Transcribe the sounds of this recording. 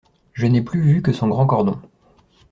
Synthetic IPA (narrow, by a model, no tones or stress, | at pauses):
ʒənɛplyvykəsɔ̃ɡʁɑ̃kɔʁd̪ɔ̃